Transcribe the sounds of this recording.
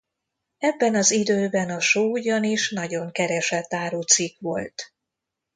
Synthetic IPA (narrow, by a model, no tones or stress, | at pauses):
ɛbːɛnɒzid̪øːbɛnɒʃoːuɟɒniʃnɒɟo̞ŋkɛɾɛʃɛt̪ːaːɾuːt̪sikʋo̞lt̪